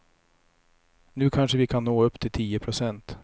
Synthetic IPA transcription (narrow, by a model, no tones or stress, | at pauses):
nʉ̟ːkʰanʂəvɪkʰanːoːɵpːt̪ʰɪlt̪ʰiːəpʰɾʊsɛnt̪